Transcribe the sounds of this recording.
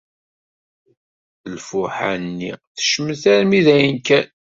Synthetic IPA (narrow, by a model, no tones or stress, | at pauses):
lfʊħa̰nːḭθə̥ʃəməθæɾmiðæjənkæn